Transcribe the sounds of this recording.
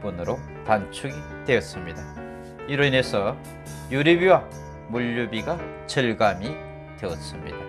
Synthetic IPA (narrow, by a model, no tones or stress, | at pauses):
p͈unɯɾo | tant͡ɕʰuɡi | twe̞ʌs͈ɯmɲida | iɾɯine̞sʰʌ | juɾibiwa | muʎːubiɡa | t͡ɕʌɭɡami | twe̞ʌts͈ɯmɲḭd̥a